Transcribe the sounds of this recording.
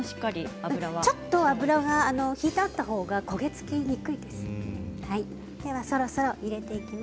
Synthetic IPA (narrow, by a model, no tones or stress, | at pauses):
ɕi̥kːaɾʲiaɯɯ̟ɾaβat͡ɕo̞t̪ːo̞abɯ̟ɾaɡaːno̞çiːt̪ːt̪ːaho̞ːɡako̞ɡe̞t͡sɨ̥kʲiɲ̟ikɯ̟id̪e̞sɨ̥hai | d̪̥e̞βaso̞ɾo̞so̞ɾo̞ʔiɾe̞t̪e̞ikʲima